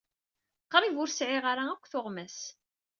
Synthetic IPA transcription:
qːəɾivʊɾsʕɪʁaɾaækʷːθoʁmæs

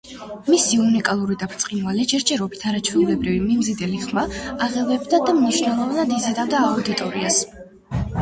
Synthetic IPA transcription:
misiunikʼalˠuɾid̪apʰɾt̪sʼqʼinvalɛʃɛɾd͡ʒʰɛɾɔbit̪ʰaɾat͡ʃʰwiulɛbɾivimimzid̪ɛliχmaːʁɛvɛbd̪ad̪amniʃnɛlˠɔvanad̪izɛd̪avd̪aːud̪it̪ʼɔɾias

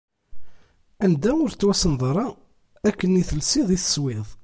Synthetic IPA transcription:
ænd̪æʊɾt͡sːwæsənðˤɾˤɑ | ækːəniθəlsiðˤiθə̥swɪðˤ

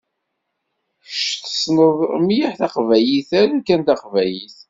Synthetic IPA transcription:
ʃθə̥sməðˤmjiħθæqvæjiθæɾækːænt̪æqvæjiθ

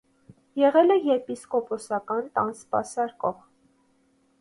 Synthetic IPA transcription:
jɛʁɛlɛjɛpiskɔpɔsɑkɑnt̪ɑnspɑ̰sɑɾkɔʁ

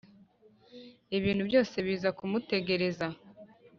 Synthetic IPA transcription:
iβiːnhubjo̞ːse̞βiːzakumute̞ɡe̞ɾe̞za

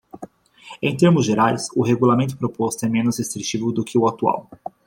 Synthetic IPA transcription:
ẽj̃t̪eɾmʊzʒeɾajsʊɦeɡulamẽnt̪ʊpɾopɔst̪ʊɛmẽnʊshest̪ɾit͡ʃivʊd̪ʊkʰɪʊat̪ua̰w

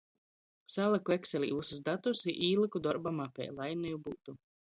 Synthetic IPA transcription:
salˠakuɛksɛlʲḭːusuzd̪at̪usiʔiːlˠɨkud̪ɔɾbamapʲɛ̰jlˠajnɛjubuːt̪u

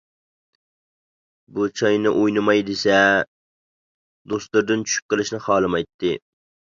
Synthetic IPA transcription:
but͡ʃʰɑjnɪʔojnɨmɑjd̪ɪsɛ | d̪ost̪ˠuɾd̪ɨnt͡ʃʰy̥ʃy̥p̚qəlˠɪʃnɨχɑːlˠɨmɑjt̪ʰːɪ

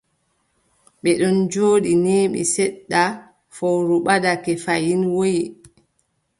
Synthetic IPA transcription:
ɓɛɗɔnd͡ʒoːɗinɛːɓḭsɛɗːa | fowɾuɓadakɛfajinwoji

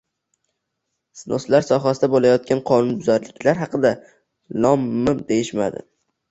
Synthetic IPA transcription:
sno̰slaɾsɒɦasɪd̪abolajɒt̪̚kʲanqʰɒnʊnbʊzaɾlɪkʲʰlaɾɦɑqɨd̪a | lˠɒmːɪmd̪e̞jɪʃmad̪ɪ̰

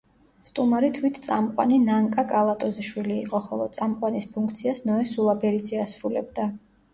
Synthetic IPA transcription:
st̪ʼumaɾit̪ʰwit̪ʰt̪sʼamqʼwa̰ninaŋkʼakʼalˠat̪ʼɔziʃwiliːqʼɔχɔlˠɔt̪sʼamqʼwanispʰuŋkʰt̪sʰiasnɔɛsulˠabɛɾid̪zɛasɾulɛ̰b̚d̪a

